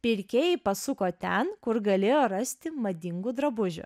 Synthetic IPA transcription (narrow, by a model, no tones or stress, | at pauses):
pʲɪɾʲkʲeːjɛɪpɐsʊkoːt̪ʲɛnkʊɾɡɐlʲeːjoːɾɐsʲt̪ʲɪmɐd̪ʲɪŋɡuːd̪ɾɐbʊʒʲʊ̰